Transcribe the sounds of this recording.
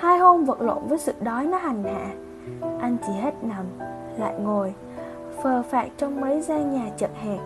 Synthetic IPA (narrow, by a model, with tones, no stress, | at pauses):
haː˧jho˧mvə̰˧˨t̚lwə̰˧˨nvəː˨˦jsɨ̰˧˨ɗɔ˨˦jnɔ˨˦ha˨˩jŋ̟ha̰ː˧˨ | ʔa˧jŋ̟t͡ɕi˧˩ɦe˦˥t̚na˨˩m | la̰ː˧˨jŋo˨˩j | fəː˨˩faː˨˩k̚t͡ɕɔ˧wŋ͡mmə˨˦jzaː˧ɲaː˨˩t͡ɕə̰˧˨t̚ha̰˧˨ŋ